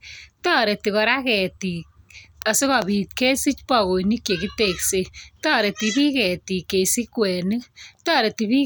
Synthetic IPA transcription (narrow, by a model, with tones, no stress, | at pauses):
tɔ˦ɾe˨ti˨kɔ˨ɾa˦kɛ˨ti˨ka˨se˦ka˨bi˨tke˦si˦t͡ʃpɔ˨ko˨ni˦kje˨ki˦tekse˨tɔ˦ɾe˨ti˨bi˦kɛ˨ti˨kːe˨si˦kwɛ˨nɨ˦tɔ˦ɾe˨ti˨bi˦